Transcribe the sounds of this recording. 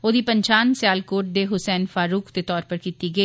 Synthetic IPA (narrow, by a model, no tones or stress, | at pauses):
oːd̪iːpəɲt͡ʃaːnsɪjaːlkoːʈ̚d̪eːɦʊsɛːnfaːɾuːkʰd̪et̪ɔːɾpəɾkiːt̪iːɡəiː